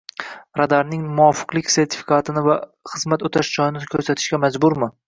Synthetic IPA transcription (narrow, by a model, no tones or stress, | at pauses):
ɾad̪aɾnɪŋmʊɒfɨ̥qlˠɪkʲse̞ɾt̪ʰɪ̥fi̥kʰat̪ʰɪnɪvaχɨzmat̪ot̪ʰaʃd͡ʒɒjɪnɪkʲʰɵɾsat̪ʰɪ̥ʃkʲamad͡ʒbʊɾmɪ